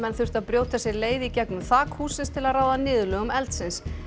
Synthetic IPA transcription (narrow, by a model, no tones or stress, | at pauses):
mɛnθʏr̥t̪aðpɾjoːwt̪ʰasjɛɾleːjðɪicɛknʏmθaːkhuːsɪnst̪ʰɪlaðɾraːwðanɪːðʏlʏɣʏmɛlt̪sɪns